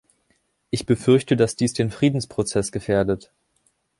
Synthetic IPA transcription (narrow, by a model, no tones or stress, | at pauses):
ʔɪçb̥əfʏɐçtədasd̥iːsd̥eːnfʁ̥iːdn̩spʁ̥ot͡sɛsɡ̥əfeːɐdət